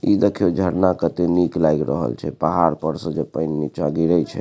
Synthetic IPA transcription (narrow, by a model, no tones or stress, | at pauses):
id̪ekʰijod͡ʒʱəɾnakət̪eniklajɡɾə̰ɦə̰lt͡ʃʰɛ̰paɦaɾpəɾsə̃d͡ʒepənːit͡ʃaɡiɾət͡ʃʰɛ̰